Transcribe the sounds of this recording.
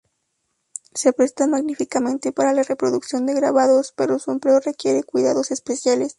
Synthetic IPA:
seapɾe̞st̪amaɣnifikamẽ̞nt̪e̞paɾalare̞pɾo̞ðuksjo̞nd̪e̞ɣɾaβaðo̞spe̞ɾo̞sue̞mpleore̞kje̞ɾe̞kwiðaðo̞se̞spesjale̞s

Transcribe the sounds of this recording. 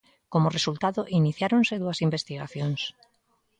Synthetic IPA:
komʊresult̪aðoʔiniθjaɾonseðuɐsimbest̪iɣ̞aθjoŋs

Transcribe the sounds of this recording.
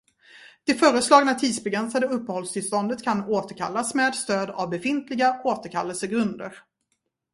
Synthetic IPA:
d̪̥ɛfœːɾəslɑːɡnat̪ʰiːd̪sbɛɡɾɛnsad̪əɵpːəhɔlst̪ʰɪlst̪ɔnd̪ət̪kʰanoːt̪əɾkʰa̰lːasmeːd̪st̪øːd̪a̰vbɛfɪnt̪lɪɡaoːt̪əɾkʰa̰lːəlsəɡɾɵnd̪ə̰ɾ

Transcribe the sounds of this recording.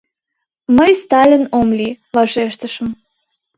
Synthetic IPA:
məjst̪ɑlʲinomli | βɑʃeʃt̪əʃə̆m

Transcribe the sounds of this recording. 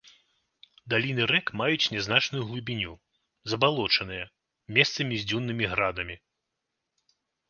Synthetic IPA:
d̪alʲinɨɾɛkmajut͡sʲnʲɛznat͡ʂnujuɣlˠubʲinʲu | zɐbalˠɔt͡ʂɐnɨjɐ | mʲɛst̪sɐmʲizʲd͡zʲunːɨmʲiɣɾad̪ɐmʲi

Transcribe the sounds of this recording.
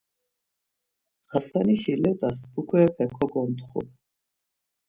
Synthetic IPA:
ʁ̥asaniʃilɛt̪ʼasukʰwɛpʰɛkʰɔɡɔmt̪χṵ

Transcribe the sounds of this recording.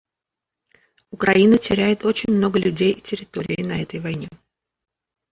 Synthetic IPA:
ʊkɾɐinətʲɪɾʲæjɪt̪o̞t͡ɕɪnʲmno̞ɡəlʲʉdʲejʔitʲɪɾʲɪt̪o̞ɾʲɪɪnɐɛt̪əjvɐjnʲe

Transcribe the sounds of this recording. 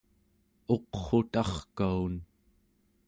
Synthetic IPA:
o̞qχo̞t̪ɑχkaun

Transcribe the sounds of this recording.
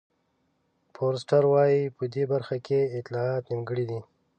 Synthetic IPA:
pʰoɾs̬ʈaɾwɑjipəd̪ebaɾxakʰeɪt̪lɑɑt̪nimɡəɽid̪i

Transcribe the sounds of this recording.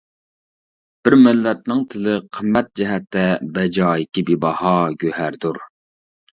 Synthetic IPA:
b̥ɪɾmɪlːɛt̪̚nɪŋt̪ʰɪlɪqʰəmːɛt̪̚d͡ʒɛɦɛt̪ːɛbɛd͡ʒɑːɪkʲibibɑhɑɡʲøhæɾd̪uɾ

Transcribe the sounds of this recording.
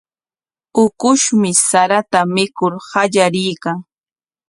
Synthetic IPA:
ʊkʊʃmɪsaɾat̪amɪkʊɾhaʎaɾɪjkaŋ

